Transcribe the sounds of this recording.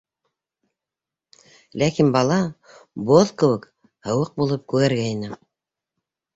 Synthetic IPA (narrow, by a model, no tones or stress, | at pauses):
lækinbɑlˠɑ | boðkɤ̆wɘk | hɤ̆wɤq̚bulˠɤp̚kʉɣæɾɡæinɘ